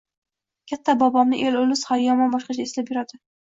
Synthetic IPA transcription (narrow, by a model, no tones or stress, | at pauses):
kʲʰat̪ʰːabɒbɒmnɪʔe̞lolɪshaɾjɒmɒnbɒʃqɑt͡ʃʰaeslapjʊɾad̪ɪ